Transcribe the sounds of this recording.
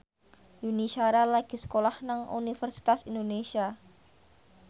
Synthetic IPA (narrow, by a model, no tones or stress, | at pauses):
juniʃaɾalaɡ̥i̤sə̥kolahnaŋṵnifərsi̥t̪asindonesia